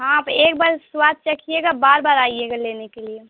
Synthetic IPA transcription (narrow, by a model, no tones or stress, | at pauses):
ɦãpeːk̚baːɾswad̪̚t͡ʃəkʰieɡabaːɾbaːɾaːieɡaleːnekelie